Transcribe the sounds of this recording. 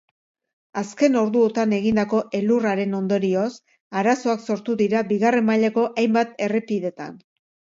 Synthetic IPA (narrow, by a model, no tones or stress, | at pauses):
aske̞no̞ɾðuot̪ane̞ɣ̞ind̪ako̞ʔe̞luraɾe̞no̞nd̪o̞ɾio̞s | aɾaso̞akso̞ɾt̪uðiɾabiɣare̞mːaʎako̞ʔajmbat̪e̞re̞piðe̞t̪a̰n